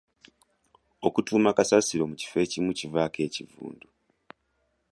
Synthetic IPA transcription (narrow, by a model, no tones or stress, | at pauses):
o̞kutuːmakasasiɾo̞muci̥fe̞ːcimucivaːke̞ːcivṵːndu